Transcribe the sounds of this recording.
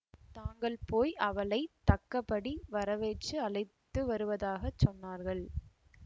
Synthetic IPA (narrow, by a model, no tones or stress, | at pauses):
t̪aːŋɡɐɭpoːjʔɐʋɐɭɐɪt̪ɐkːɐpːɐɽiʋɐɾɐʋeːt͡ʃːɯɐɭɐɪt̪ːɯʋɐɾɯʋɐðaːɣɐt͡ʃːɔnːaːɾɣɐɭ